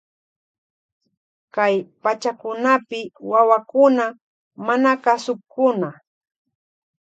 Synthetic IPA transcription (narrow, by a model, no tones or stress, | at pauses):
kajpat͡ʃakʊnapɪwawakʊna | manakasʊkʊna